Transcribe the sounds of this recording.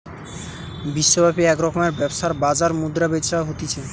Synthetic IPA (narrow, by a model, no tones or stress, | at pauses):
biʃːobapiɛkɾɔkomeɾbɛboʃaɾbad͡ʑaɾmud̪ɾabeʃaɦot̪it͡ɕʰe